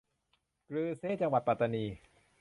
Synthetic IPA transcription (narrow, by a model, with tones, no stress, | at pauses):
kɾɯː˧seː˥˩t͡ɕa˧ŋwa˨˩t̪̚pa˨˩t̪ːa˧niː˧